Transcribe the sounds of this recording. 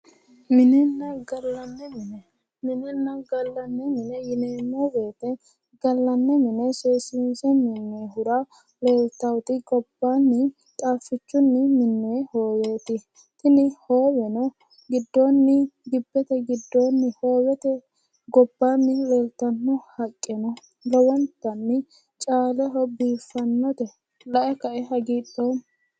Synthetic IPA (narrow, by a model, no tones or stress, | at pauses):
mɪnɛnːɐɡɐlːɐnːɛmɪnɛ | mɪnɛnːɐɡɐlːɐnːɛmɪnɛjɪneːmːɔbe̞ːt̪ɛ | ɡɐlːɐnːɛmɪnɛseːsɪnsɛmɪnːɔɦʊɾɐ | leːlt̪ɐwt̪ɪɡɔb̥ːanːɪ | t̪ʼaːfːɪt͡ʃːʊnːɪmɪnːɔjɛhoːweːt̪ɪ | t̪ɪnɪhoːwɛnɔ | ɡɪd̪ːoːnːɪɡɪbːɛt̪ɛɡɪd̪ːoːnːɪhoːwɛt̪ɛ | ɡɔbːaːnːɪleːlt̪ːɐnːɔhɐkʼːɛnɔ | lɔwɔnt̪ːɐnːɪ | t͡ʃʼaːlɛɦɔbiːfːɐnːɔt̪ɛ | lɐʔɛkɐʔɛɦɐɡiːɗoː